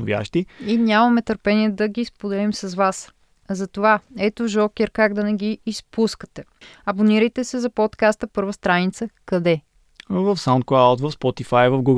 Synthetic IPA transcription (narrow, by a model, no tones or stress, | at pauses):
ʊvʲja̰ʃt̪iinʲamɐmɛt̪əɾpɛniɛd̪ɐɡispod̪ɛlimsɐzvas | zɐt̪ovaɛt̪oʒɔkɛɾkaɡd̪ɐnɛɡ̟iːspuskə̥t̪ɛɐboniɾəjt̪ɛsɛzɐpot̪kast̪əpɤɾvəst̪ɾanit̪səkɐd̪ɛ | vɐfsaʊnt̪klˠawt̪vɐfspɔt̪ifajvɐfɡuɡ